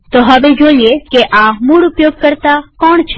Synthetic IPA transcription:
t̪oɦəʋed͡ʒoiekeʔamuɽʊpjoːɡ̚kəɾt̪akɔːɳt͡ʃʰe

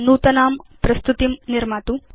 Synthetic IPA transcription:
nuːt̪ɐnaːmpɾɐst̪ut̪imniɾmaːt̪u

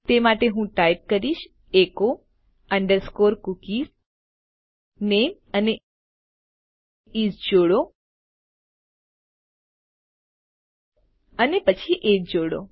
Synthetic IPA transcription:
t̪emaʈeɦũʈajp̚kəɾiʃ | eko | əɳɖəɾskoɾkukiz | nem | əne | id͡ʒd͡ʒoɽo | ənepət͡ʃʰiʔed͡ʒd͡ʒoɽo̰

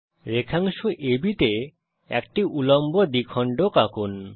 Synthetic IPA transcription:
ɾekʰaŋʃuʔebit̪e | ɛ̰k̚ʈiʔulombod̪ikʰɔɳɖokakun

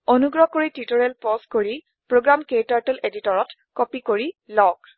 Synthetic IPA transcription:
onuɡɹɔkoɹititoɹɛlpɔskoɹi | pɹoɡɹamketaɹtɔleditɔɹɔt | kɔpikoɹilɔk

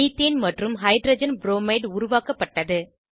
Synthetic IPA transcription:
iːt̪ːeːnmɐʈrɯmɦɐɪɖɾɐd͡ʒɐnbɾoːmɐɪɖʊɾʊʋaːkɐpːɐʈːɐðɯ

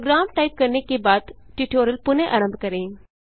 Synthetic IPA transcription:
ɡɾaːmʈaːɪp̚kɐɾnekebaːd̪ʈiʈoːɾəlpʊnẽʔa̰ːɾə̃mbʱkɐɾẽː

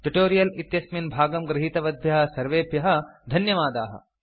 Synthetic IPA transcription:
ʈuʈoːɾijɐlit̪jɐsminbʱaːɡɐmɡɾɐɦiːt̪ɐʋɐd̪ʱjɐɦɐ̆sɐɾʋeːpjɐɦɐ̆d̪ʱɐnjɐʋaːd̪a̰ːɦɐ̰

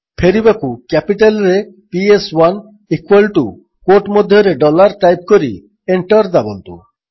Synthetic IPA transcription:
pʰeɾibɛkukɛpiʈalɾe | pieswan | ikwalʈu | koʈmod̪ʱjoɾeɖɔlaɾʈajp̚koɾi | eɳʈaɾd̪abont̪ṵ

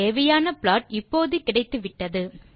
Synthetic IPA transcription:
eːʋɐjaːnɐpɪɭaːʈɪpːoːðɯkːɪɽɐɪt̪ːɯʋɪʈːɐðɯ

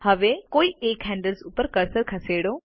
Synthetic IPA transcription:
həʋekoːieːkɦɛ̃ɳɖəlsupəɾkəɾsəɾkʰɐseːɽoː

